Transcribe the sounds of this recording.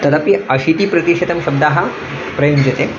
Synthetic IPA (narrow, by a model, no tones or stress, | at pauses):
t̪ɐd̪apiɐɕit̪iːpɾɐt̪iʂet̪ɐmʃɐbd̪aɦɐ | pɾɐjɐmd͡ʑet̪e